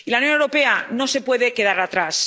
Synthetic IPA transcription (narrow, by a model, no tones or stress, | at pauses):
ilaunjonewɾo̞pe̞ano̞se̞pwe̞ðe̞ke̞ð̞aɾat̪ɾas